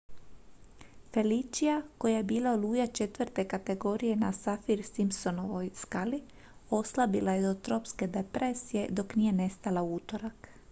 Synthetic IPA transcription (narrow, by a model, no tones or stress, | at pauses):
fe̞lit͡ʃijako̞jajebiːlˠaoluːjat͡ʃe̞t̪ʋɾt̪e̞kat̪e̞ɡo̞ːɾije̞nasafiɾsimso̞no̞ʋojskali | o̞slabilajed̪ot̪ɾo̞pske̞d̪epɾesije̞d̪o̞knije̞ne̞st̪alauːt̪o̞ɾak